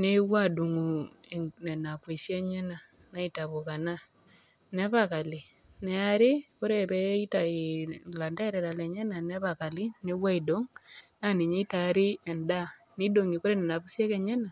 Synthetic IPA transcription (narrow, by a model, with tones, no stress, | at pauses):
ne˦ɣwa˦du˨ŋu˨ | ne˨na˨kwe˨se˦ɲe˦na˨ | na˦ita˨βoɣa˨na˦ | ne˦βaka˨li˨ | ne˦a˦ɾe˦ko˦ɾeβɛi˦ta˨ila˨nda˦e˦ɾɛ˨ɾa˨lɛ˨ɲe˦na˨nɛ˦βaka˨li˦neɣwa˦ido˦ŋna˦ni˨ɲe˦i˦ta˨ɾi˦ɛ˨nda˦ | ni˦do˨ŋi˨ko˦ɾe˦ne˨na˨βu˦sje˦kɛ˦ɲe˦na˨